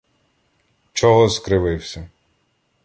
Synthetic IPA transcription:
t͡ʃɔɦɔzkɾɪʋɪwsʲɐ

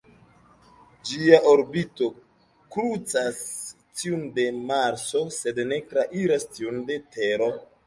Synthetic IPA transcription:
d͡ʒiaʔoɾbito̞ | kɾut͡sas | tiunde̞maɾso̞se̞dne̞tɾaʔiɾastiunde̞te̞ɾo̞

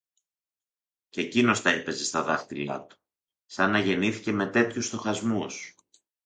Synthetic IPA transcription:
cecino̞st̪ɐepe̞zest̪ɐðɐxt̪ilɐ̰t̪u̥ | sɐnːɐʝe̞niθice̞me̞t̪e̞t̪çust̪o̞xɐzmus

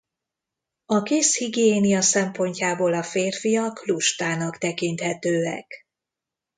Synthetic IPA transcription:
ɒkeːshiɡjeːnijɒsɛmpo̞ɲcaːboːlɒfeːrfijɒkluʃt̪aːnɒkt̪ɛkint̪hɛt̪øːɛ̰k

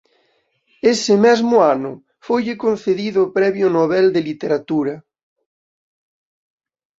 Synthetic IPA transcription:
esemɛzmoanʊ | fojʎekon̟θeðiðopɾɛβjonoβ̞ɛld̪elit̪eɾat̪uɾa

